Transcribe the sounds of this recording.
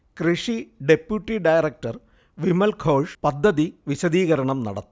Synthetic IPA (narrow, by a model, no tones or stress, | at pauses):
kriʂiɖe̞pjuʈːiɖɐjɾek̚ʈɐr | ʋimɐlkʰoːʂpɐd̪ʱːɐðiʋiɕɐðiːɣɐɾɐɳɐmnɐ̰ɽɐt̪ːu